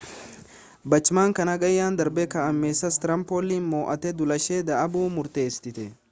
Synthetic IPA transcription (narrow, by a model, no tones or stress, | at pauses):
bɐt͡ʃːɪmaːŋkɐnɐɡɐjːaːnd̪ɐɾbɛkɐʔɐmːeːsːɐst̪ɪɾɐmpoːlːinmoːʔɐt̪ɛd̪ʊlɐʃeːd̪ɐʔɐbuːmʊɾt̪e̞ːst̪ɪt̪ɛ